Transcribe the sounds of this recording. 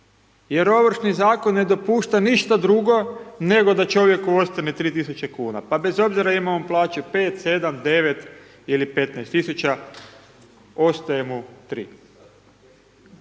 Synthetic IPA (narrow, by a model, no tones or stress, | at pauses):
je̞ɾo̞ʋr̩ʃnizaːko̞nːe̞d̪o̞puːʃt̪aniʃt̪ad̪ɾuɡo̞ne̞ɡo̞d̪at͡ʃo̞ʋje̞kuo̞st̪anet̪ɾiːt̪isut͡ɕe̞kuːna̰pabe̞zo̞bziɾaimamoplˠaːt͡ʃupe̞ːt̪se̞d̪amd̪e̞ʋe̞t̪ | ilipe̞t̪naɛjst̪isut͡ʃa | o̞st̪ajemut̪ɾḭː